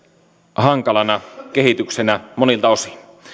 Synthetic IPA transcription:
hɑŋkɑlɑnɑke̞ɦit̪yksenæmonilt̪ɑo̞si̥n

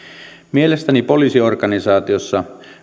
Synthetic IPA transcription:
mielest̪ænipo̞liːsiorkɑnisɑːt̪iosːɑ

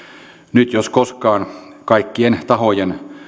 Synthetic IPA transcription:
nyt̪joskoskɑːnkɑikːient̪ɑhojen

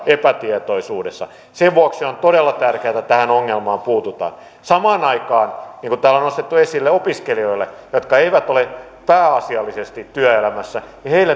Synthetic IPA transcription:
epæt̪iet̪oisuːdesːɑ̰ | seʋʋuokseont̪oɾelːɑt̪ærkeæt̪ːæt̪æhænoŋːelmɑːmpuːt̪ut̪ɑ̰ːn | sɑmɑːnɑikɑːnniːŋkut̪æːlːonost̪et̪ːuesilːeopiskelioilːe | jot̪kɑeiʋæt̪ole | pæːɑsiɑlːisest̪it̪tyæelæmæsːæjɑheilːe

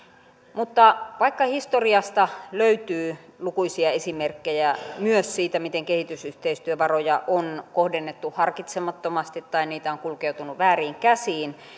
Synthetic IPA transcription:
mut̪ːɑʋɑikːɑhist̪oriɑst̪ɑløyt̪yːlukuisiɑesimerkːejæmyøssiːt̪æmit̪eŋkehit̪ysyht̪eist̪yøʋɑrojɑʔonkohdenːet̪ːuhɑrkit̪semɑt̪ːomɑst̪it̪ːɑiniːt̪æoŋkulkeut̪unuʋæːriːŋkæsiːn

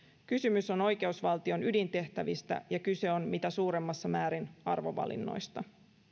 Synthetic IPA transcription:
kysymyso̞no̞jke̞usʋɑlt̪io̞nydint̪e̞ht̪æʋist̪æ̰jɑkyse̞o̞nmit̪æsuːɾe̞mːɑsːɑmæːɾinɑrʋo̞̰ʋɑ̰lḭnːo̞̰jst̪ɑ

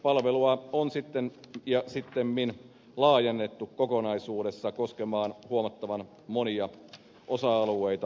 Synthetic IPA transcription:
pɑlʋeluɑonsit̪ːenjɑsit̪ːemmin | lɑːjenːet̪ːukkokonɑisuːdesːɑkoskemɑːnhuomɑt̪ːɑʋɑn | moniɑ | ʔosɑɑlueit̪ɑ

